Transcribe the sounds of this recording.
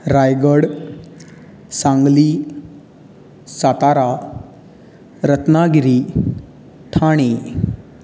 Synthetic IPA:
ɾajɡəɽ | sãŋɡli | sat̪aɾa | ɾət̪naɡiɾi | t̪ʰaɽ̃i

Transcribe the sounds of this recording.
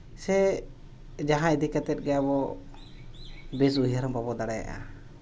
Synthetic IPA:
sɛ | d͡ʒaɦãid̪ikɛt̪ɛt̪̚ɡɛjabɔ | bis̬uɦəɾɔmbabɔd̪aɽɛja̰ʔa̰

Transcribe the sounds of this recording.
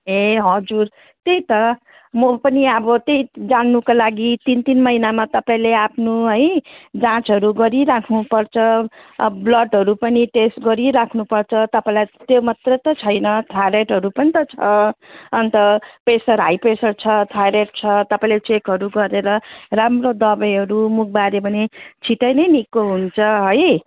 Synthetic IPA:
eɦʌd͡zur | t̪ejt̪ʌ | mʌpʌniʌbʌt̪ejd͡zanːukalaɡit̪int̪inmʌinamat̪ʌpãĩleapʰnuɦʌjd͡zãt͡sɦʌɾuɡʌɾiɾakʰnupʌrt͡sʰʌ | blʌɖɦʌɾupʌniʈesʈɡʌɾiɾakʰnupʌrt͡sʰʌt̪ʌpãĩlajt̪jomat̪rʌt̪ʌt͡sʰʌjnʌt̪ʰaɾeʈɦʌɾupʌnit̪ʌt͡sʰʌʌnt̪ʌpesʌɾɦajpesʌrt͡sʰʌt̪ʰaɾeʈ̚t͡sʰʌt̪ʌpaĩlet͡sekɦʌɾuɡʌɾeɾʌramrod̪ʌbʌjɦʌɾumuk̚ʰbaɾebʱʌnet͡sʰiʈʌjnʌjnikoɦunt͡sʰʌɦʌj

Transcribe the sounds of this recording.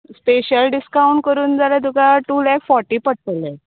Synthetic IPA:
speɕəlɖiskauɳʈ̚kəɾuːnd͡zalad̪ukaʈulɛkfɔɾʈiːpəʈsəle

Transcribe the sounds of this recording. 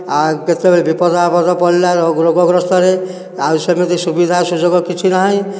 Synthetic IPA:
aket̪ebɔɾebipɔd̪apɔd̪ɔpɔllaɾoɡɾoɡɔɡɾɔst̪ɔɾe | aɾsemit̪isubid̪ʱasud͡ʒoɡɔkit͡ʃʰinɔɦɔ̃j

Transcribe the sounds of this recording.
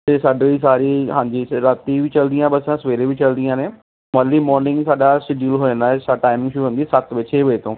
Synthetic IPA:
esaːɖisaːɾiɦãːɲd͡ʑiɾat̪ibɪt͡ɕɐlnd̪ĩãːɦbɐssãsʋeːɾebɪt͡ɕɐld̪ĩjãːnẽː | mɐɾlimɔːɾnɪ̃ŋɡsaːɗasɪɖulɦoːə̃nd̪aːɛsaʈaːɪmɪ̃ŋɡʃʊɾuʋẽnd̪isɐt̪ʰʋɪt͡ɕʰeʋʊet̪ʰõː

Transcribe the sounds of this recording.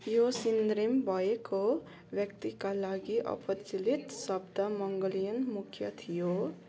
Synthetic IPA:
josind̪ɾimbʱʌeko | bjʌk̚t̪ikalaɡiʔʌ̰pʌt͡silit̪sʌbd̪amʌŋɡʌlijʌnmukʰjʌt̪ʰijo

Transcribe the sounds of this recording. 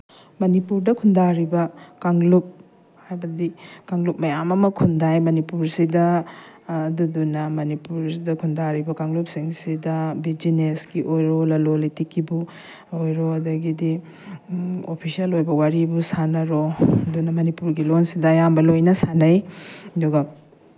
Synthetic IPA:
mɐnipuɾdɐkʰundaɾibɐkaŋlup̚ | hajbɐdikaŋlup̚mɐjamɐmɐkʰundajmɐnipuɾsidɐ | dudunɐmɐnipuɾdɐkʰundaɾibɐkaŋlup̚siŋsidɐbid͡ʒinesɡiʔojɾolɐlolitikːibu | ojɾoɐdɐɡidi | opʰisiɐlojbɐwaɾibusanɐɾodunɐmɐnipuɾɡilonsidɐːjambɐlojnɐsanɐjɐduɡɐ

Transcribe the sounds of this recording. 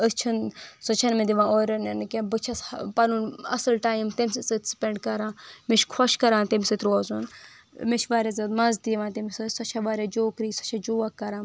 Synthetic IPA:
ət͡ʃʰinsot͡ʃʰɐnmed̪iʋãːoːɾʲɐnɐnɨkebɨt͡ʃʰɐspɐnunɐ̰sɨlʈaːjimt̪emʲsɨsɨt̪ʲspʲeɳɖkɐɾãːmet͡ʃkʰɔʃkɐɾãːnt̪emʲsɨt̪ʲɾoːzun | met͡ʃʰʋaːɾʲazɐd̪mɐzd̪iʋãːt̪emisɨsɐt͡ʃʰaʋaːɾʲad͡ʒoːkɾiːsɐ̥t͡ʃʰad͡ʒoːakːɐɾãː

